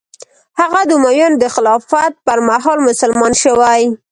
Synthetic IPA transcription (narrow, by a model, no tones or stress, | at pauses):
haɣad̪umajond̪əxɪlɑfat̪̚pəɾmaɦɑlmʊsalmɑnʃəwaj